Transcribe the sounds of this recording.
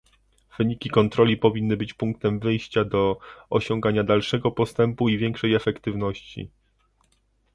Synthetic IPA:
v̥ɘɲikʲikɔnt̪ɾɔlʲipɔvʲinːɘbɘt͡ɕpuŋk̚t̪ɛmvɘjɕt͡ɕad̪ɔɔɕɔŋɡaɲad̪alʂɛɡɔpɔst̪ɛmpuivʲjɛŋkʂɛjɛfɛkt̪ɘvnɔɕt͡ɕḭ

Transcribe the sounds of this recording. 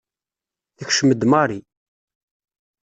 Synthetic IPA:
θəçʃəməd̪mɑɾˤi

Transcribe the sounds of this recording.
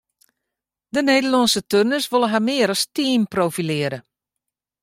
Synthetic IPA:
dəneːdəlɔnsətønəsʋolˠəɦamɪːəɾɔstiənprowfilɪəɾə

